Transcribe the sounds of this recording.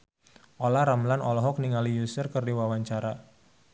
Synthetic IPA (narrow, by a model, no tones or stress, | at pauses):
ʔolaɾamlanɔlɔɦɔk̚niŋalijusərkərdiwawaɲt͡ʃaɾa